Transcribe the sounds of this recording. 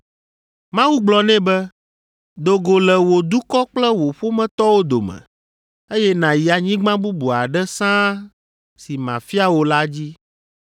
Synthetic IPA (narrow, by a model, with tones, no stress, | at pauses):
mã˦wu˦ɡ͡blɔ˨nɛ̃˦bɛ˦ | d̪o˨ɡo˨lɛ˨wo˨d̪u˦kɔ˦k͡plɛ˦wo˨ɸo˦mɛ̃˦t̪ɔ˦wo˦d̪o˨mɛ̰̃˨ | e˦jɛ˦nã˨ji˨a˨ɲĩ˦ɡ͡bã˦bu˦bu˨a˨ɖɛ˦sã˦ | si˨mã˨fi˦a˦wo˦la˦d͡ʑi˦